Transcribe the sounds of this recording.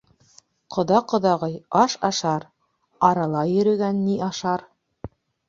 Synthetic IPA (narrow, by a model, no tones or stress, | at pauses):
qʰŏðɑqŏðɑʁɤjɑʃɑʃɑɾ | ɑɾɑlˠɑjɵ̆ɾɵ̆ɡænːiʔɑʃɑɾ